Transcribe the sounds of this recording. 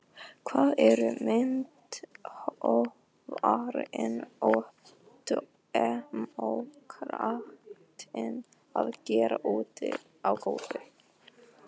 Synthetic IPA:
kʰvaːðɛɾʏmɪnt̪hɔ | vaɾɪnɔ | t̪ | ɛmowkʰɾaht̪ɪn | aðcɛːɾaʔuːt̪ɪ | awkoːwt̪ɪ

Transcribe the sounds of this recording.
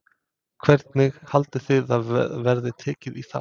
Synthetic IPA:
kʰv̥ɛɾt̪nɪɣhalt̪ɪθɪðaðvɛɾðɪt̪ʰɛːcɪðiθa̰

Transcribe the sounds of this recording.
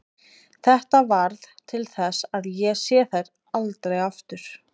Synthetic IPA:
θɛht̪avaɾðt̪ʰɪlθɛsaðjɛsjɛθajɾ | alt̪ɾejaft̪ʏɾ̥

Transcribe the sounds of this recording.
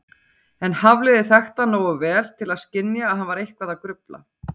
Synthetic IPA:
ɛnhavlɪðɪθɛxt̪anoːwʏvɛːl̥t̪ʰɪlaðscɪnjaːðɦanvaɾejhkvaðakɾʏpla̰

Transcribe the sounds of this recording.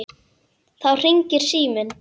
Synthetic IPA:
θawr̥iɲcɪɾ̥siːmʏn

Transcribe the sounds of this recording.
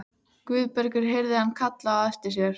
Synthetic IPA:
kvʏːðpɛɾkʏɾ̥ɦejɾðɪhanːkʰat̪laːðɛst̪ɪs̬jɛɾ̥

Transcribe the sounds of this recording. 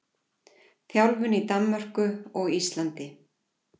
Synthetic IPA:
θjawlvʏnit̪amːœr̥kʏɔɣist̪lant̪ɪ

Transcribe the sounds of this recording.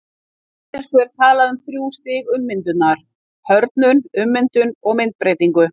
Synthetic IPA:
ɛskʏɛɾ̥t̪ʰaːlaðʏmθɾjuːst̪ɪɣʏmːɪnt̪ʏt̪naɾ̥ | hœɾt̪nʏnʏmːɪnt̪ʏnɔɣmɪnt̪̚pɾeːjt̪iŋkʏ

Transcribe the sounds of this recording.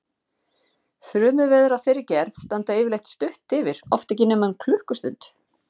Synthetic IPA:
θɾʏːmʏvɛːðʏɾawθejɾɪcɛɾθst̪ant̪aɪːvɪɾlejt̪st̪ʏht̪ɪvɪɾ̥ɔft̪ɛc̬ɪnɛːmankʰlʏhkʏst̪ʏ̰nt̪

